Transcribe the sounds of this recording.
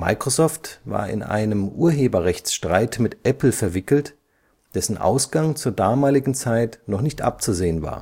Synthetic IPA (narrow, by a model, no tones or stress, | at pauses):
ma̰ɪkʁ̥ozɔːftva̰ːɐɪ̰nʔa̰ɪnəmʔuːɐɦeːbɐʁɛçt͡sʃtʁ̥aɪtmɪtʔɛpl̩fɛɐvɪkl̩t | d̥ɛsn̩ʔa̰ʊsɡ̥aŋt͡suːɐdaːmaːlɪɡŋ̩t͡saɪtnɔχnɪçtʔa̰p̚t͡suzeːənva̰ːɐ